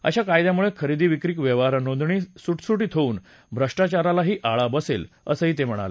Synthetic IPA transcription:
ə̰ɕakajd̪jamuɭekʰəɾid̪iːʋikɾiːkʋjeʋaɾənõnd̪ɳiːsuʈsuʈiːt̪ʰouːn | bʱɾəʂʈat͡ɕaɾalaɦiːʔaɭabəsel | ə̰səɦiːt̪em̤əɽ̃a̰lə

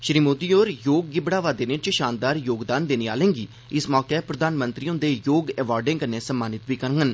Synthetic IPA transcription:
ʃɾiːmoːd̪iːoːɾjoːɡɡɪbɽaːʋaːd̪eːnẽːt͡ʃʃaːnd̪aːɾjoːɡd̪aːnd̪eːniːa̰ːlẽːŋɡiː | ɪsmɔːkepɾəd̪aːnmə̃nt̪ɾiːõːd̪eːjoːɡɛːʋaːɾɖẽŋkəneːsəmːaːnɪt̪biːkəɾɡən

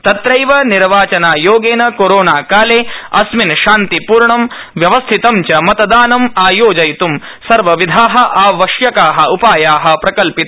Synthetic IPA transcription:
t̪ɐt̪ɾɐjʋɐniɾʋaːt͡ʃɐnaːjoːɡeːnɐkoɾoːnaːkaːleːɐ̰sminʃaːnt̪ipuːɾɳɐm | ʋjɐʋɐst̪ʰit̪ɐmt͡ʃɐmɐt̪ɐd̪aːnɐmaːjoːd͡ʒɐjt̪um | sɐɾʋɐʋid̪ʱaːɦɐʔaːʋɐʃjɐkaːɦɐupaːjaːɦɐ̆pɾɐkɐlpit̪

